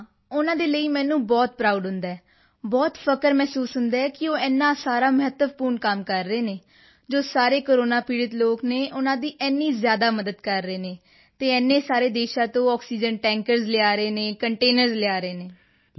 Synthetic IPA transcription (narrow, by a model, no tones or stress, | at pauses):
ʊnãːd̪eːləiːmɛ̃ːnũːbɔːt̪̚pɾaːuɖɦʊnd̪aɛː | bɔːt̪pʰəkəɾmɛːsuːsɦʊnd̪aːɛːkɪoːɛːnːãːsaːɾaːməɦət̪ːəpuːɾɳkəmkəɾːəeːneː | d͡ʒoːsaːɾeːkoːɾoːnaːpiːɽət̪loːkneːʔʊnãːd̪iːʔɛːnːiːzjaːd̪aːməd̪əd̪kəɾːeːneː | t̪eːɛnːeːsaːɾeːd̪eːʃãːt̪õːɔːksiːd͡ʒənʈɛ̃ːŋkəɾzlɪaːɾəeːnẽːkəɳʈeːnəɾzlɪaːɾeːneː